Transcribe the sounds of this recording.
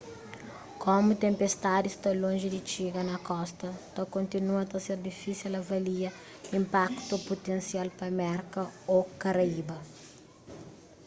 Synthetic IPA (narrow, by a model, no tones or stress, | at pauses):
komut̪ẽmpest̪ad̪ist̪ɐlõʒɪd̪it͡ʃiɡɐnɐkɔst̪ɐt̪ɐkõnt̪inuɐt̪ɐseɾd̪ifisilɐvɐliɐ | ĩmpakt̪upot̪ẽnsialpɐmɛɾkɐokɐɾɐibɐ